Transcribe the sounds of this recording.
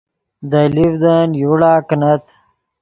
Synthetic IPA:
d̪ɐlivd̪anjuɽaːknɐt̪

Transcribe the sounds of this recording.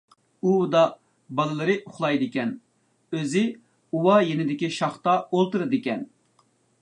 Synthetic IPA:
ud̪ɑ | bɑlˠɨlˠɨɾɨʔʊχlˠɑjd̪ɨkʲɛn | øzɪ | uwɑjenɪd̪ɪkʲiʃɑχt̪ɑolˠt̪ɨɾɨd̪ɨkʲɛn

